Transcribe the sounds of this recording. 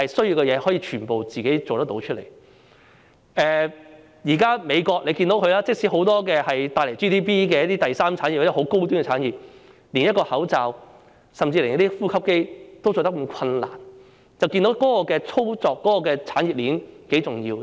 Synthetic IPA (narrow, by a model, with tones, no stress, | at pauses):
hɐ˨jsɵ˥ɥjiː˧wkɛ˧jɛː˨˧˥hɔ˨˥jiː˧t͡ʃʰyː˨˩npo˨wt͡siː˨ke˨˥jt͡so˨wt̪ɐ˥t̪o˧˥wt͡ʃʰɵ˥t̚lḛ˨˩j | ɛː˨ | jiː˨˩kaː˥me˨˧jkɔː˧k̚le˨˧ki˧nt̪o˨˥wkʰɵ˧laː˥t͡sɪ˥k̚siː˨˥ho˨˥wt̪ɔː˥kɛː˧hɐ˨jt̪aː˧jle˨˩jt͡ʃiː˥t̪iː˥piː˥kɛ˧jɐ˥t̪iː˥t̪ɐ˨jsaː˥mt͡sʰaː˨˥nji˨p̚a˧˥ɛ˥ho˨˥wko˥wt̪yː˥nŋɛ˨t͡sʰaː˨˥njiː˨p̚ | li˨˩njɐ˥t̚kɔː˧hɐ˨˥wt͡saː˨w | sɐ˨mt͡siː˧le˨˩ŋjɐ˥t̪iː˥fuː˥kʰɐ˥p̚ke˥jt̪o˥wt͡so˨˩t̪ɐ˥k̚m˨˧kʰɐ˧nla̰ː˨˩n | t͡sɐ˨wki˧nt̪o˨˥wkɔː˨˥kɔː˧kɛː˧t͡sʰo˥wt͡sɔː˨kːɔː˨˥kɔː˧kɛː˧t͡sʰaː˨˥nji˨p̚li˨˥nke˨˥jt͡sʊ˨˩ŋjiː˧w